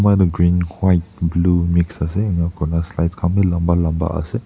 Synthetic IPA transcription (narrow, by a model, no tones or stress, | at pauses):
majdəɡɾinwajt̚blumiksas̬eːŋakʰɔnaslajtskʰamdilambalamba̰a̰se